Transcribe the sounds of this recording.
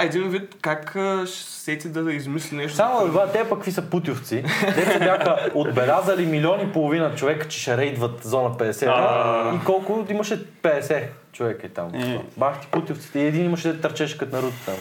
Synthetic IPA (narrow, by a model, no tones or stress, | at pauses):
ɛd̪invit̪kakʃ | sɛt̪ʲid̪ɐizmislʲinɛʃt̪samobat̪ɛpɐkːvisəput̪ʲjʊft̪sid̪ɛt̪ɛbʲjaxəod̪bɛlʲazəlimilʲiɔnipolˠovinət͡ʃovɛkə̥t͡ʃɛ̥ʃɛɾɛjd̪vət̪zɔnəpɛd̪ɛsɛikɔlˠkʊimɐʃɛpɛd̪ɛsɛ | t͡ʃovɛkit̪a̰m̰baxt̪i̥put̪ʲjoft̪si̥t̪ɛiɛd̪inimɐʃɛd̪ɛt̪ːəɾt͡ʃɛʃkət̪nɐɾut̪ə̥t̪ə̰